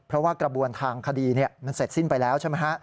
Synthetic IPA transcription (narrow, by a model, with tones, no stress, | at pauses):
pʰɾɔ˦˥waː˥˩kɾa˧bu˧ənt̪ʰaː˧ŋkʰa˧diː˧ni˥˩əma˥˩nse˨˩t̪̚si˥˩npa˧jlɛː˦˥wt͡ɕʰa˥˩ma˦˥jkʰa˦˥ʔ